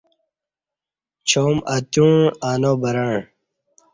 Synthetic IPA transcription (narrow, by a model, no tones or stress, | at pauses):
t͡ɕʰoːmɐt̪ũɳaːnoːbɐɾaɳ